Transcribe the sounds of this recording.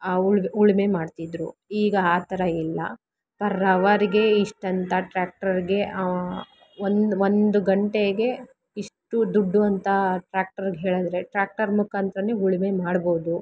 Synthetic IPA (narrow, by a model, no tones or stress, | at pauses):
uɭuɭime̞maːɖt̪id̪ɾuiːɡɐaːt̪ɐɾɐilːɐ̰ | pɐɾɐʋɐɾiɡe̞iʂʈɐnt̪ʰɐʈɾaːk̚ʈɐɾiɡe̞ | ond̪ond̪uɡɐɳʈe̞ɡe̞ | iʂʈud̪uɖːuɐnt̪ɐʈɾaːk̚ʈɐɾɡɦeːɭɐd̪ɾe̞ʈɾaːk̚ʈɐɾmukʰaːnt̪ɾɐneuɭime̞maːɽbo̞ːd̪u